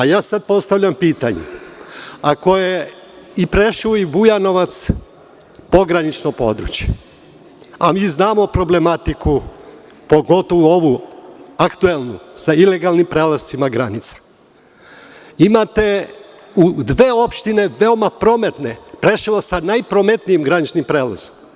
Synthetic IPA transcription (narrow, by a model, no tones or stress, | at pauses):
ajaːsad̪̚po̞st̪aʋʎʲampiːt̪aɲḛ | ako̞jeipɾeʃuibujano̞ʋat̪s | po̞ɡɾanit͡ʃnopo̞̰d̪ɾṵt͡ɕje̥ | amiːznaːmo̞pɾo̞ble̞mat̪iku | po̞ɡo̞t̪oʋuo̞ʋuakt̪ue̞lˠnusaile̞ɡalˠnimpɾeːlaz̥t̪simaɡɾanit̪sḁ | imat̪e̞ | ud̪ʋe̞ːo̞pʃt̪ine̞ʋe̞o̞mapɾo̞me̞t̪ne̞pɾe̞ʃiʋosanajpɾome̞t̪nijimɡɾanit͡ʃnimpɾeːla̰zom